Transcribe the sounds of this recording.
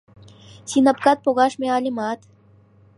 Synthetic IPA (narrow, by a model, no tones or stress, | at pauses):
sinopkɑt̪̚poɣɑʃmeɑlʲemɑt̪